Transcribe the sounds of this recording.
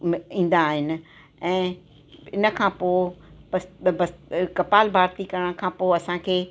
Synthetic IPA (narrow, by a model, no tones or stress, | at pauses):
mĩːn̆d̪aːɦɪnɪ̆ | ɛ̃ː | ɪnə̆kʰãːpoːɪpɐsbɐskɐpaːlbʱaːɾt̪ikɐɾəɽ̃kʰãːpoːɐsãkʰeː